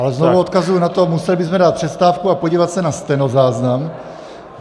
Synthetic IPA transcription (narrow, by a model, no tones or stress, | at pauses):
ʔalɛznovuot̪kazujunat̪o̞musɛlɪbɪzmɛdaːt̪̚pr̥ɛst̪aːfkuapoɟiːvat̪sɛnast̪ɛnozaːznam